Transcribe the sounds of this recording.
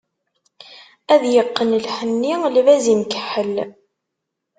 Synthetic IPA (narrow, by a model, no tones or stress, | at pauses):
æðjəqːənlħənːilvæzimkəħəl